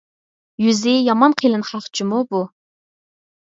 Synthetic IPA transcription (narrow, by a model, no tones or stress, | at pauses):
jyzɪjɑmɑnqʰilˠɨnχɑχt͡ʃʰimubu